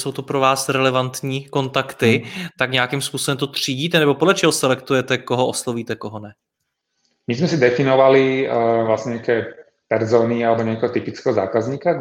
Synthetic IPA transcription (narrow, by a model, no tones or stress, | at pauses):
sowt̪upɾovaːsɾɛlɛvant̪ɲiːko̞nt̪akt̪ɪt̪akɲɛjakimspuːsobɛmt̪ot̪r̝̥iːɟiːt̪ɛnɛbopodlɛt͡ʃɛɦosɛlɛkt̪ujɛt̪ɛkoɦoʔosloviːt̪ɛkoɦonɛ | mizmɛsid̪ɛfinɔʋalivlasɲɛɲɛakɛː | pɛɾzɔːnialɛbɔɲɛakɛːɦɔt̪ipit͡skɛːɦɔza̰ːkazɲiːka